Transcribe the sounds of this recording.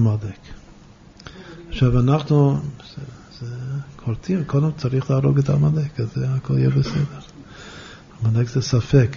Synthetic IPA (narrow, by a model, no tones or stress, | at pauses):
mad̪ek | χʃavanaχnu | z̥ekʰoɾtimkʰodemt͡saɾiχlaːɾoɡɛt̪amad̪ekazeakoljɛbesɛd̪eɾ | amad̪ekzɛsafek